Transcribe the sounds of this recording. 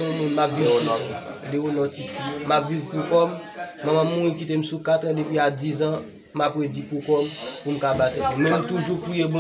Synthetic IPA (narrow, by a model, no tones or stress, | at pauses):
ɔ̃mũnmak̚ɡeɔnɔ̃akɛsa̰deonɔtitimapvivpukɔmːãmãmːũɣĩkit̪em̩sukat̪ɛ̃depɥiad͡zizã | mapwed͡zipukɔmpum̩kabat̪ɛtũmɛ̃m̩t̪uʒukwijebɔ̃